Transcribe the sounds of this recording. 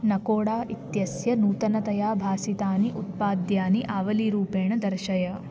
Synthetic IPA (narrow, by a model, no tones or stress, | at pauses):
nɐkoːɽaːʔit̪jɐsjɐnuːt̪ɐnɐt̪ɐjaːbʱaːsit̪aːniʔut̪̚paːd̪jaːniʔaːʋɐliɾuːpeːɳɐd̪ɐɾʃɐjɐ